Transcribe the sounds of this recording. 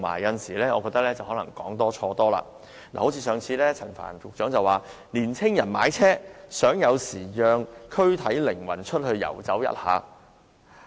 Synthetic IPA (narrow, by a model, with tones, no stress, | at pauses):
ma̰ː˨˩jːɐ˧nsiː˨˩lɛː˥ɔː˨˧kɔ˧k̚t̪ɐ˥k̚lɛː˥t͡sɐ˨whɔː˨˥lɐ̰˨˩ŋkɔː˨˥ŋt̪ɔː˥t͡ʃʰɔː˧t̪ɔː˥la̰ː˧ | la̰ː˨˩o˨˥wt͡sʰiː˧sœː˨˧ŋt͡sʰiː˨˧lɛː˥t͡sʰɐ˨˩nfa̰ː˨˩nʊ˨k̚t͡ʃœː˨˥ŋt͡sɐ˨waː˨ | liː˨˩nt͡sʰɪ˥ŋjɐ˨˩nmaː˨˧˥jt͡sʰɛː˥sœː˨˥ŋjɐ˨˧wsiː˨˩jœː˨˧ŋkʰɵ˥ɥt̪ʰɐ˨˥jlɪ˨˩ŋwɐ̰˨˩nt͡ʃʰɵ˥t̚hɵ˧ɥjɐ̰˨˩wt͡sɐ˨˥wjɐ̰˥t̚ha̰ː˨˧